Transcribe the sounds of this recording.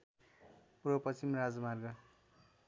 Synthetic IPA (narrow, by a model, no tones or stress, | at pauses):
purʌpʌsimrad͡zʌmarɡʌ